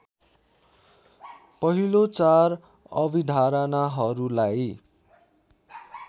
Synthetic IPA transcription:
pʌɦilot͡sar | ʌbid̪ʱaɾʌnaɦʌɾulaj

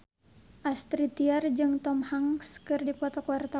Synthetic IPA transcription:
ʔast̪ɾit̪iard͡ʒɨŋt̪ɔmhaŋskɨrdipɔt̪ɔkuwart̪a

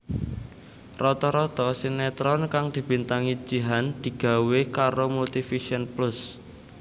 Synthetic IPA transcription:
rɔt̪ɔɾɔt̪ɔsinɛt̪ɾɔnkaŋd̪̥i̤b̥i̤nt̪aŋi̥d͡ʒ̥i̤ɦand̪̥i̤ɡ̥a̤wekaɾomult̪ifiʃiɔnplʊs

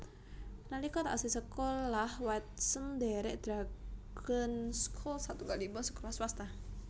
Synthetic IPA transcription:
nalikɔt̪aʔa̰sisəkolahwat̪̚səndɛɾɛʔd̪̥ɾakʰənskʰɔlsat̪uɡalibɔsə̥kolahsuwast̪a

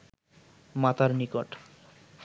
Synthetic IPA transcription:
mat̪ʰaɾnikoʈ

